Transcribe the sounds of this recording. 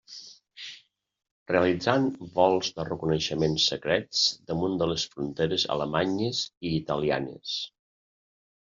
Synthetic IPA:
reəlid͡zanbɔlˠzðərəkunəʃəmensəkɾɛd͡zd̪əmund̪ələsfɾunt̪eɾəzə̰ləmaɲəziːt̪əlia̰nə̰s

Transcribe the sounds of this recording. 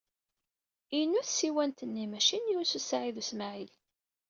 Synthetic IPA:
inːuθsiwænt̪ənːimæʃinjususaʕiðusmaʕil

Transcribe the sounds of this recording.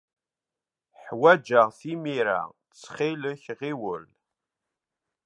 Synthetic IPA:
ħwæd͡ʒaʁθimiɾa̰ | t͡sːχiləçʁiwəl

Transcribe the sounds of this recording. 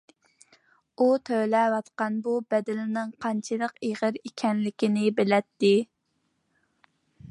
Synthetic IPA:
ut̪ʰølɛwɑt̪qɑnbubɛd̪ɪlɪnɪŋqʰɑnt͡ʃʰɨlˠəqeʁəɾikʲʰɛnlɪkʲinɪbɪlɛt̪ːɪ

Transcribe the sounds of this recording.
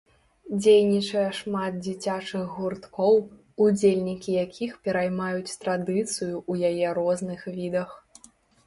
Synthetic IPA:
d͡zʲejnʲit͡ʂɐjɐʂmad̪̚d͡zʲit͡sʲat͡ʂɨɣɣurt̪kɔw | ud͡zʲelʲnʲikʲijakʲʰixpʲɛɾajmajut͡sʲt̪ɾad̪ɨt̪sɨjuʔujajɛɾɔznɨxvʲid̪ɐx

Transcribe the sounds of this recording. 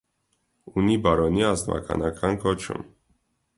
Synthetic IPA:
unibɑɾɔniɑzvɑ̰kʰɑ̰nɑkʰɑnkɔt͡ʃʰṵm

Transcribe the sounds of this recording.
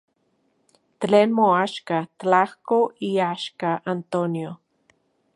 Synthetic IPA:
t̪lenmoaʃkat̪lahkoiaʃkaʔant̪onjo

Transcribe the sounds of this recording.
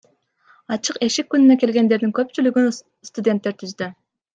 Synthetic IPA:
ɑt͡ʃʰɯqeʃikʲːynynɛkʲelʲɡʲend̪eɾd̪ɪŋkʲʰøp̚t͡ʃʰylyɡʲyn | st̪ud̪ent̪ːeɾt̪ʰyzd̪y

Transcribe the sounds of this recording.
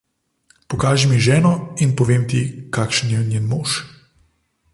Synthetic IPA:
pɔkaːʒɛmiʒɛːnɔinpɔʋeːmt̪ikakʃənjɛnjenmoːʃ

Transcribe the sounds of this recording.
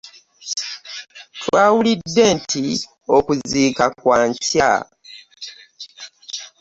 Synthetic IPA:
twaːwulidːe̞ntʰi | o̞kuziːkakwaːɲca̰

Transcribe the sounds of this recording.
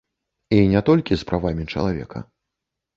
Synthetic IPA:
inʲɛt̪ɔlʲkʲispɾavamʲit͡ʂɐ̰lˠavʲɛ̰kʰɐ̰

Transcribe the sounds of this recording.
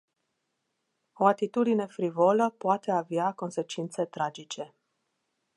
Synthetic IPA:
o̞at̪it̪ud̪ine̞fɾivoləpoat̪e̞aveako̞nse̞t͡ʃint̪se̞t̪ɾad͡ʒit͡ʃe̞

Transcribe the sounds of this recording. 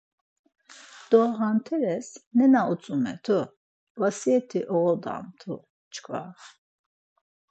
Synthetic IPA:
d̪̥ɔɣant̪ʰɛɾɛsnɛnaut͡sʼumɛ̰t̪ʰu | vasiɛt̪ʰiʔɔɣɔd̪a̰mt̪ʰu | t͡ʃʰkʰva

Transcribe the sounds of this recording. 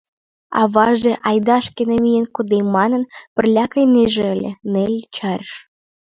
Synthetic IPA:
ɑ̰βɑʒĕʔɑjd̪ɑʃkenemijenkod̪ejmɑnə̆npə̆rlʲɑkəjneʒĕəlʲenelʲt͡ɕɑrʲʃ

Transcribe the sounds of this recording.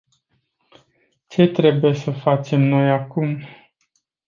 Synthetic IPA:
t͡ʃe̞t̪ɾe̞buje̞səfat͡ʃe̞mno̞jakum

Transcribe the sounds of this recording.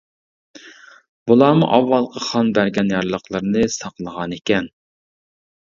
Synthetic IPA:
b̥ulˠɑːmuʔɑwːɑlˠqʰɑχɑnbæɾɡʲɛnjɑɾlˠəqlˠəɾnɨsɑqlˠəʁɑnekʲɛn

